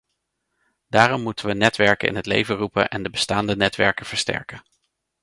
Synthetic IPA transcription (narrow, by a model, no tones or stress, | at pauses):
d̥aːrɔmːutənʋənɛtʋɛɹkəɪ̰nɦətlḛjvərupə̰nʔɛndəbəstaːndənɛtʋɛɹkəv̥əɹstɛ̰ɹkə